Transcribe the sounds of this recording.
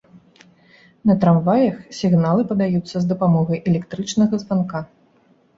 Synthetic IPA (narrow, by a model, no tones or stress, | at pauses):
nɐt̪ɾamvajɐxsʲiɣnalˠɨpɐd̪ajut̪sːɐzd̪ɐpamɔɣɐjʔɛlʲɛkt̪ɾɨt͡ʂnɐɣɐzvanka